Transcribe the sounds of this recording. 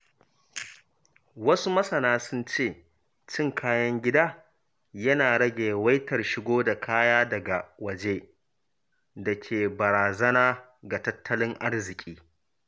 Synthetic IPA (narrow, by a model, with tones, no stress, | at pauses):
wɐ˦su˦mɐ˦sɐ˨naː˦sʊ˦nt͡ʃeː˦˨ | t͡ʃɪ˦ŋkʰaː˦jɐ˦ŋɡʲɪ˦daː˦ | jɐ˦naː˨ɽɐ˦ɡʲeː˨wɐ˦jtɐ˨rʃɪ˦ɡʷoː˦da˨kʰaː˦jaː˦dɐ˨ɡa˨wɐ˨d͡ʒeː˦ | dɐ˨kʲʰeː˨bɐ˨ɾaː˨zɐ˦naː˦ | ɡa˨tɐ˦tʰːɐ˦lɪ˦ŋʔa˦rzɪ˨kʲʼiː˦